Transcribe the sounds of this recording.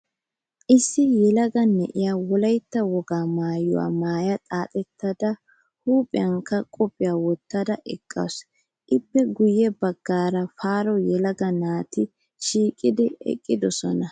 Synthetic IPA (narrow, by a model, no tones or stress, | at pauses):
ʔɪsːɪjɛlɐɡɐnːɛʔɪjawɔlɐjt̪ːɐwɔɡaːmaːjʊ̰wa̰ːmaːjɐt̪ʼaːt̪ʼɛt̪ːɐd̪ɐ | huːpʼɪjɐŋkːɐkʼɔpʼːɪjawɔt̪ːɐd̪ɐʔɛkʼːɐ̰ws | ʔɪbːɛɡʊjɛbɐɡːaːɾɐfaːɾɔjɛlɐɡɐnaːt̪ɪ | ʃiːkʼɪd̪ɪɛ̰kʼːɪd̪ɔsɔnɐ